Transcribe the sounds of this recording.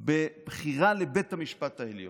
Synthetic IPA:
bebχiʁalebet̪hamiʃpat̪haeljo

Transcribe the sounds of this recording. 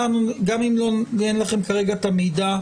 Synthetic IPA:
anuɡamimlonenlaχe̞mkaʁe̞ɡat̪amida

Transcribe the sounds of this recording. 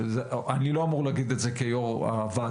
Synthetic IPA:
zeaniloamuʁlaɡid̪etzekejoʁa̰va

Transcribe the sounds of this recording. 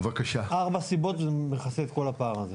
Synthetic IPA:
vakaʃaaʁbasibo̞t̪vmeχaset̪ko̞lapaːʁaze

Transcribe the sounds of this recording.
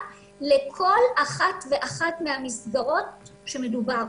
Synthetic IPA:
lekʰo̞laχatve̞ʔaχatmehamisɡaʁo̞t̚ʃe̞me̞dubaʁ

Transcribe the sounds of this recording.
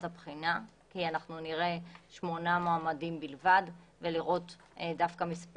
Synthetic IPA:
apχina | kianaχnuniʁe̞ʃmo̞namoamadimbilvadveliʁo̞t | dafkamisp

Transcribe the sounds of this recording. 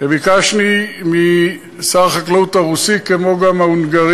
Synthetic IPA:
ebikaʃnimi | saʁχaklaut̪aʁusikemo̞ɡamaunɡaʁ

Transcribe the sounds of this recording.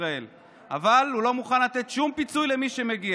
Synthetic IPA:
ʁae̞l | ʔa̰valhulo̞muχanlat̪e̞t̪ʃumpit͡sujle̞miʃe̞me̞ɡia

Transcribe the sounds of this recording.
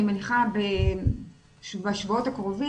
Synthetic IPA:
imeniχabe | ʃbeaʃvaotakʁo̞vi

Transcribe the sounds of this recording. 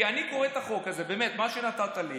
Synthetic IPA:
aniko̞ʁet̪aχo̞kazebeːmet̪maʃenat̪at̪ali

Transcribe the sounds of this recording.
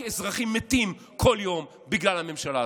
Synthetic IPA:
ezʁaχimːet̪im | kʰo̞ljo̞m | biɡlalhame̞mʃala

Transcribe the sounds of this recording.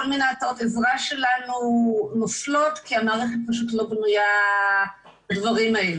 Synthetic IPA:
olminaːtaʁtezʁaʃe̞lanunoflo̞tkiamaːʁeχet̚paʃ̬utlo̞bnuja | badvaʁimael

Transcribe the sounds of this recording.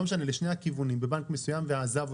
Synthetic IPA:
meʃaneleʃnejhakivunimbebankmesujamveaːzav

